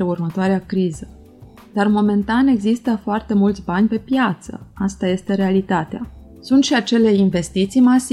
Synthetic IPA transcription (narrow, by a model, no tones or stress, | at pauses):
eurmət̪oaɾeakɾizə | d̪̥armo̞me̞nt̪ane̞ɡzist̪əfoart̪e̞mult̪sʲbanʲpe̞pjat̪sə̰ast̪aje̞st̪e̞ɾe̞alit̪at̪ea | sunt̪ʃiat͡ʃe̞le̞inve̞st̪it̪sijmas